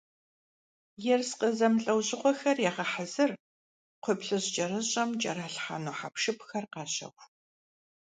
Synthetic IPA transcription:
jɛrsqəzɐmɬʼɐwɕʼɪqʷɔxɐrjaːʁɐħazɨr | qʷʰʊpɬɨʑt͡ʃʼɐɾɨɕʼɐmt͡ʃʼɐɾaːɬħa̰ːnoːħapʂɨpʰxɐrqɑːɕɐ̰ʁʷ

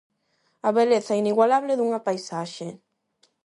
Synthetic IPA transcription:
aβeleθainiɣwalaβleðuŋapajsaʃe

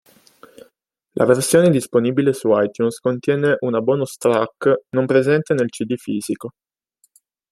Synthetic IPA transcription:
lʔa̰versjoːned̪isponibilesuajt̪junskont̪jɛːneʔunabɔːnost̪ɾaknompɾezɛnt̪enelt͡ʃid̪ifiːziko

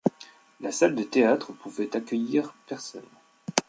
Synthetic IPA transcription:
lasald̪ət̪eat̪χəpuvɛt̪akʲœjiʁpɛʁsɔ̰n

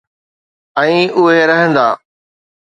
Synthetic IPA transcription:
ɛ̃ːʊɦeɾɐɦə̃nd̪aː

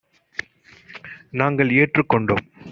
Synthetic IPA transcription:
naːŋɡɐɭeːʈrɯkːɔɳɖo̰ːm

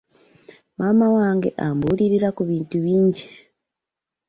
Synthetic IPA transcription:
mamawaːŋɡe̞̰ʔambuɾiɾiɾakuβiːntuβiːɲɟe

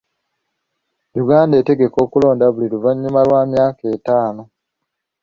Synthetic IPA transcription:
juɡaːnde̞ːte̞ɡe̞ko̞ːkulo̞ːndaβuliluvaɲːumalwaːmjaːke̞ːtaːno̞

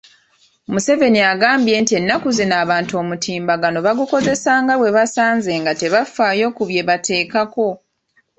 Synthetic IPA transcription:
omuse̞ve̞niaɡaːmbje̞ːntie̞nːakuzinaːβaːntuo̞mutʰiːmbaɡano̞βaɡuko̞ze̞saːŋɡaβwe̞βasaːnze̞ːŋɡate̞βafaːjo̞ːkuβje̞βatʰe̞ːkako̞

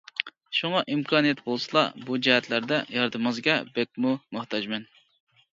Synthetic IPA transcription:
ʃuŋɑʔimkʰɑnijɛt̪bolˠsɨlˠɑ̰bud͡ʒɛɦɛt̪ʰlæɾd̪ɛjɑɾd̪ɨmɑzɡʲɛbek̚ʲmumʊht̪ɑd͡ʒmɛn

